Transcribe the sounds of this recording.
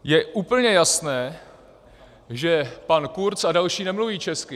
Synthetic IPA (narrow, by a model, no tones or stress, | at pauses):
jɛʔuːpl̩ɲɛjasnɛː | ʒɛpankuɾt͡sadalʃiːnɛmluviːt͡ʃɛskɪ